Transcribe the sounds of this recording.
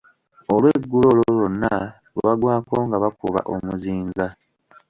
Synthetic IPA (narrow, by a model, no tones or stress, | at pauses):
olweɡːulololonːa | βoβaɡwaːko̞ːŋɡaβakuβa̰ʔomuziːŋɡa